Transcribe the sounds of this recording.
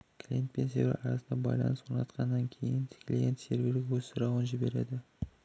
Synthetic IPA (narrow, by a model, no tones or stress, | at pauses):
kʰlʲint̪̚pensḛvḛɾɑɾɑ̰sənd̪ɑbɑ̰jlˠɑ̰nəswonɑt̪qʰɑnːɑŋkʲʰe̞̰jɪnt̪ʰɪ̥kʲʰɪleɡʲe̞nseɾbʲeɾɡʲewɵzsʊɾɑwənʒɪbe̞ɾe̞̰d̪ɪ